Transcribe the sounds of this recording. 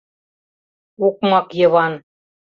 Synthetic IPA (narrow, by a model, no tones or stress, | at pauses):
uk̚mɑqjɤ̆βɑn